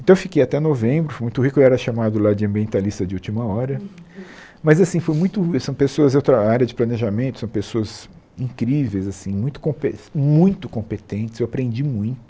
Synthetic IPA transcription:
ẽt̪ɐ̃ewfi̥kejat̪ɛnovẽbɾʊfojmũj̃t̪ʊɦikʊeiwɛɾɐʃamad̪ʊlad͡ʒɪɐ̃mbiẽnt̪alist̪ɐd͡ʒɪut͡ʃimɐɔɾɐ | mɐzasĩfojmũj̃t̪ʊsɐ̃w̃pesoɐzowt̪ɾɐaɾjɐd͡ʒɪplɐneʒamẽnt̪ʊ̥sɐ̃w̃pesoɐz | ĩkɾivejzasĩmũj̃t̪ʊ̥kõpemũj̃t̪ʊkõmpet̪ẽnt͡ʃɪ̥szewapɾẽnd͡ʒimũj̃t̪ʊ̥

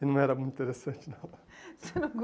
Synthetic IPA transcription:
ɪnɐ̃w̃ɛɾɐmũt̪ĩt̪eɾesɐ̃nt͡ʃnalɐsenɐ̃w̃ɡ

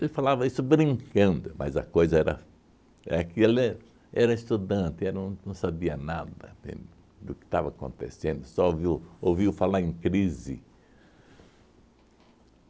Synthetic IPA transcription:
elɪfalavɐisʊbɾĩŋkɐ̃nd̪ʊmɐ̰zɐ̰kojzɐɛɾɐ̰ | ɛ̰kɪelɪ | ɛɾɐɪst̪ud̪ɐ̃nt̪ɪɛnɐ̃nɐ̃w̃sabiɐnad̪ɐḛ̃ | d̪ʊkɪ̥t̪avɐakõ̰nt̪ḛsẽnd̪ʊsɔoviwoviwfalaɾẽkɾizɪ̰

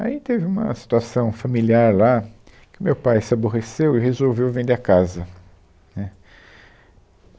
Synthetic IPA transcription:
a̰it̪evɪũmɐ̰si̥t̪uasɐ̃w̃familiaɾla | kɪʊmewpajsɪaboɦesewɪhezowvewvẽñd̪eakazɐ | nɛ

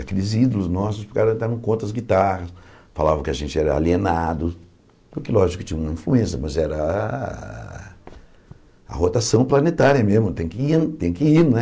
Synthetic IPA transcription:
akelɪzid̪ʊlʊznɔsʊspɪkaɾɐ̃d̪aɾɐ̃w̃kõnt̪ɐɐzɡit̪aʁɐsfa̰lavɐ̃kɪɐʒẽnt͡ʃɪɛɾɐa̰lienad̪ʊ | ʊkɪlɔʒikʊ̥t͡ʃĩɲɐ̃ũmɐĩfluẽsjɐmɐzɛɾɐ | ɐ̰hot̪asɐ̃w̃plɐnet̪aɾiɐmezmʊt̪ẽj̃kɪit̪ẽj̃kɪiɾnɛ

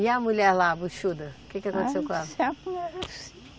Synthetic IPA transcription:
ɪɐmuʎɛɾlabuʃud̪ɐʊkekɪakõt̪e̥sewkõɛlɐspuɛ

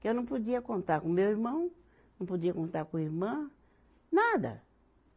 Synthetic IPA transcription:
kɪewnɐ̃w̃pod͡ʒiɐkõnt̪aɾkõmewiɾmɐ̃w̃ | nɐ̃w̃pod͡ʒiɐkõnt̪aɾkõiɾmɐ̃ | nad̪ɐ̰

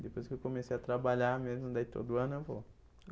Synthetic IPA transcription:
d̪epojskɪewkomesejat̪ɾabaʎamezmʊd̪at̪o̰d̪ʊɐ̃nʊewvo

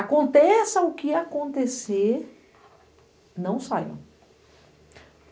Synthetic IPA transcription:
akõnt̪esɐʊkɪakõnt̪eseɾ | nɐ̃w̃sa̰jɐ̰̃

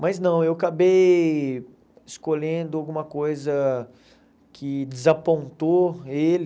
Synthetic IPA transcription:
mɐznɐ̃w̃ewakabej | ɪskoʎẽnd̪ʊawɡũmɐkojzɐ | kʰɪd͡ʒɪzapõnt̪oel

